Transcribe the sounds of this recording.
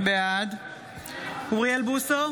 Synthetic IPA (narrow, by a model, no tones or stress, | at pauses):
bead̪ | uʁielbuso